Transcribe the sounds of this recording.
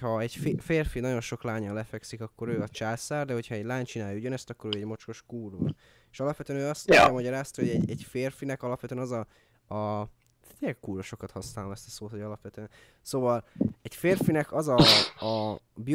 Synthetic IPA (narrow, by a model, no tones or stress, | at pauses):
hɒɛɟffeːrfinɒɟo̞nʃo̞klaːɲɒlɛfɛksikɒkːo̞ɾøːɒt͡ʃaːsaːrd̪ɛɦo̞cʰhɒɛɟlaːɲt͡ʃinaːjuɟønɛst̪ɒkːo̞ɾøːɛɟmo̞t͡ʃko̞ʃkuːro̰l | e̥ʃɒlɒpʋɛt̪ø̟ɛnøːɒst̪nɛɛmɒɟɒɾaːst̪ɒɦoɟɛɟɛɟfeːrfinɛkɒlɒpʋɛt̪øɛnɒzɒ | ɒ | eɛkuːɾoʃo̞kɒt̪hɒsnaːlomɛst̪ɒ̥soːt̪ho̞ɟɒlɒpʋɛt̪øːɛn | soːvɒlɛcfeːrfinɛkɒzɒ | bi